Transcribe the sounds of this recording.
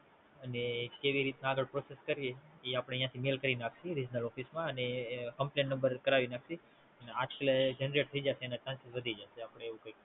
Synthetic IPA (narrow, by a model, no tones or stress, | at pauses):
ənekeʋiɾit̪naːɡəɭpɾoseskəɾjeeapəɽ̃ejãt̪ʰimelkəɾinakʰʃiɾid͡ʒnəlɔfismãənekəmplẽnːə̃mbəɾkəɾaʋinaksi | ənead͡ʒkaled͡ʒənɾeʈ̚t̪ʰəid͡ʒaseːnat͡ʃãnsit̪ʋəd̪ʱid͡ʒaseapəɽ̃eːʋũkəik